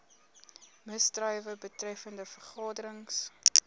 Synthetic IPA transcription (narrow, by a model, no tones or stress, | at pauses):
məstrœjvəbətrɛfəndəfərχɑːdəɾəŋs